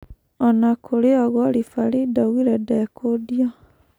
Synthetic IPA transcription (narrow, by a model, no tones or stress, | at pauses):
ɔnakʰoɾeɔɣɔɾifaɾidawiɾɛdɛkʰodjɔ